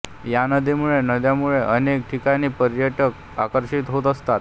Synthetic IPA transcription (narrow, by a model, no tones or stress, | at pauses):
janəd̪ʱemuɭenəd̪jamuɭeʔənek̚ʈʰikaniːpəɾjəʈək | akəɾɕit̪ɦot̪əst̪at̪